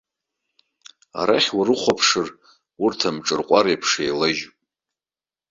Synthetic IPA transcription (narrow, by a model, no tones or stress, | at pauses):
a̰ɾaχʲwarɨχʷapʰʂɨr | urtʰamʈ͡ʂʼɨrqʷʼaɾejpʰʂejlaʒʼ